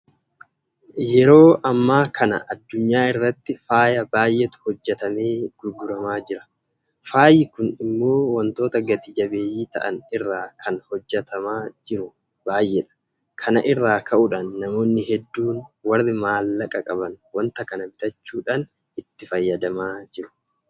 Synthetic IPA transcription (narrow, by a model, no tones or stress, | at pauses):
jɛɾo̞ːʔɐmːaːkʰɐnɐ̰ʔɐd̪ːʊɲːaːɪrːɐt̪ːɪfaːjɐbaːjʔet̪ʊ̥hɔd͡ʒːɛt̪ɐmeːɡ̥ʊɾɡʊɾɐmaːd͡ʒɪɾɐ̥ | faːjɪkʊnɪmːo̞ːwɐnt̪o̞ːt̪ɐɡɐt̪ɪd͡ʒɐbe̞ːjːiːt̪ɐ̰ʔɐnɪrːaːkʰɐnhɔd͡ʒːɛt̪ʰɐmaːd͡ʒɪɾʊ | baːjːɛᶑɐ̥ | kʰɐnɐʔɪrːaːkʰɐʔʊᶑɐnːɐmo̞ːnːɪhɛd̪ːuːnwɐrːɪmaːlːɐkʼɐkʼɐbɐnwɐnt̪ɐkɐnɐbɪt̪ɐt͡ʃːuːᶑan | ɪt̪ːɪfɐjːɐd̪ɐmaːd͡ʒɪɾʊ̥